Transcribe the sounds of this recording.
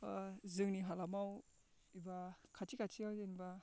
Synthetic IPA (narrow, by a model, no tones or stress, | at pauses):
zɯŋniɦalamaw | ibakʰatikʰat͡ʃiawzinba